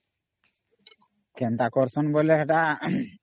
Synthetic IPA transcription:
kɛnt̪akɔɾsɔnboleɛʈa

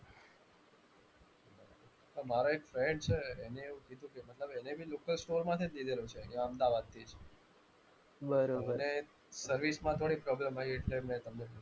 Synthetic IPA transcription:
t̪omaɾoekfɾɛɳɖt͡ʃʰeːneːũkid̪ʱũkemət̪ləbɛnebʱilokəlsʈoɾmãt̪ʰid̪id̪ʱelot͡ʃʰeãəmd̪aʋad̪̚t̪ʰid͡ʒ | bəɾobəne | səɾʋismãt̪ʰoɽipɾɔbləmaieʈlemɛ̃t̪əmne

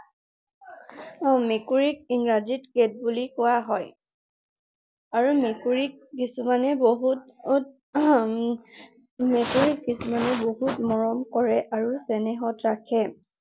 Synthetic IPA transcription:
ɔmekuɹik̚inɹazitket̚bulikʊwaɦɔj | aɹumekuɹik̚ːisumanɛboɦutt | mekuɹikːisumanɛboɦutmɔɹɔmkɔɹɛʔaɹusɛnɛɦɔtɹakʰɛ

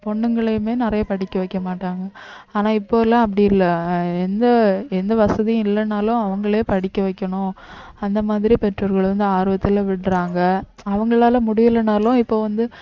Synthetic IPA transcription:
pɔɳːɯŋɡɐɭemeːnɪɾɐjɐpɐɽɪkːɐʋɐɪkːɐmaːʈːaːŋɡɐaːnaːɪpːoːɪlːãːɐp̬ːɐɽɪjɪlːɐɛnd̪ɐɛnd̪ɐʋɐsɐðij̃ɪlːɐnaːlʊ̃ɐʋɐŋɡɐɭeːpɐɽɪkːɐʋɐɪkːɐɳʊ̃ɐnd̪ɐmaːðɪɾipɛʈrɐʋɐɾɣɐɭɾɯnd̪ɯaːɾɯʋɐt̪ːɪlʋɪɽɾaːŋɡɐɐʋɐŋɡɐɭaːlɐmʊɽɪʋɪlːɐnaːlʊ̃ɪpːoːʋɐnd̪ɯ

